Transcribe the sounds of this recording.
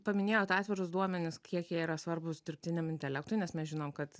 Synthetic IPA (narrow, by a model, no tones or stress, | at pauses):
pɐmʲɪnʲeːjoːt̪ɑːt̪ʲʋʲɪɾʊsd̪uɔmʲɛnʲɪskʲiɛkjiɛiːɾɐsʋɐrbʊsd̪ʲɪrʲpʲt̪ʲɪnʲɛmɪnʲt̪ʲɛlʲæk̚t̪ʊɪnʲɛsmʲɛsʒʲɪnoːmkɐt̪